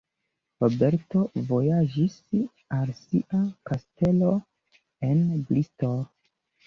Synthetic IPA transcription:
ɾobe̞ɾto̞vo̞jad͡ʒis | alsiʔakaste̞lo̞ | e̞nblisto

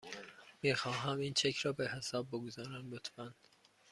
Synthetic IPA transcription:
miːxɒːɦæmiːnt͡ʃʰecʰɾɒːbehesɒːbːoɡozɒːɾænlot̪ʰbænd̪̥

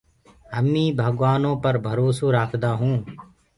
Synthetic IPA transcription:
ɦəmĩːbʱəɠʋaːnõːpəɾbʱəɾoːsoːɾaːkʰd̪aːɦũː

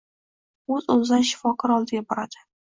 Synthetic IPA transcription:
ɵzolzanʃɪ̥fɒkɒɾɒlˠd̪ɪɡʲabɒɾad̪̥ɪ̥

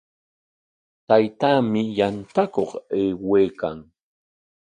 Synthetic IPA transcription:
t̪ajt̪aːmɪjant̪akoχeːweːkaŋ

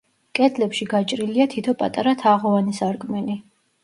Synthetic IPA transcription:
kʼɛd̪ʰlɛpʃiɡat͡ʃʼɾiliat̪ʰit̪ʰɔpʼa̰t̪ʼaɾat̪ʰaʁɔanisaɾkʼmɛni

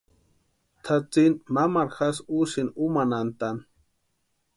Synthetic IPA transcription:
t̪ʰat͡sinmamaɾxasusinumanant̪an

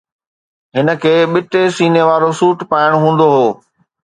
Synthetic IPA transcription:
ɦɪnə̆kʰeːɓɪʈ̪esiːneʋaːɾosuːʈpaːɪɽ̃ɦũːn̆d̪oɦoː

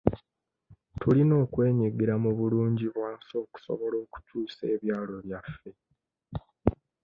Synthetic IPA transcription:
tulino̞ːkwe̞ːɲiɡiɾamuβuluːɲɟiβwaːnso̞ːku̥so̞̰βo̞lo̞ːku̥tʰuːse̞ːβjaːlo̞βjafːe̞

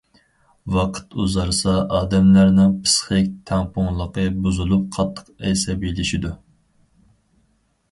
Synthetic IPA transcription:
wɑqʰə̥t̪uzɑɾsɑʔɑːd̪ɛmlæɾnɪŋpʰɨ̥sχɨkʲt̪ʰɛŋpʰʊŋlˠəqəbuzulˠup̚qʰɑt̪ʰːə̥qɛ̰jsɛbelɪʃid̪u

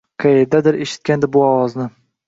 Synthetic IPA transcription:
qʰɑed̪ad̪ɪɾeʃɪ̥t̪̚kʲand̪ɪbʊɒwɒznɪ

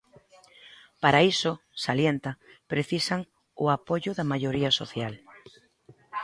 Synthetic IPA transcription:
paɾaisʊsaljent̪ɐpɾeθisaŋ | ʊapoʎʊðɐmaʎoɾiɐsoθjal

